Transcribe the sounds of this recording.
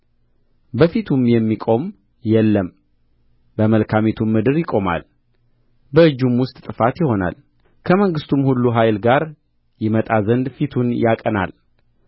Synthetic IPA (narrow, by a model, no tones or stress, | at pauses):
bəfit̪ʰumjɛmːikʼo̞m | jɛlːəm | bəməlkʰamet̪ʰumːɨd̪ɨɾjɪkʼo̞ma̰l | bəɨd͡ʒːumwʊst̪ʼt̪ʼɨfat̪jɪho̞na̰l | kʰəməŋɡɨst̪ʰumhulːuɦajlɡaɾ | jɪmət̪ʼazənd̪fit̪ʰunjakʼəna̰l